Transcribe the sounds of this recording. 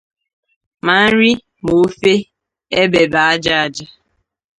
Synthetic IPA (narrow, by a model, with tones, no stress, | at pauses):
ma˨n̩˦ɾi˦ | mo˨˦fe˦ | e˦be˨ba˨a˦d͡ʒa˦a˨d͡ʒa˦